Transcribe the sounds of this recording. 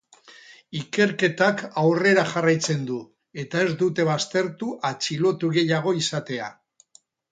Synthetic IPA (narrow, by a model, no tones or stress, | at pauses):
ike̞ɾke̞t̪akawre̞ɾaxarajt͡se̞nd̪u | e̞t̪ae̞zd̪ut̪e̞βast̪e̞ɾt̪uʔat͡ʃilo̞t̪uɣe̞jaɣ̞o̞isat̪e̞a̰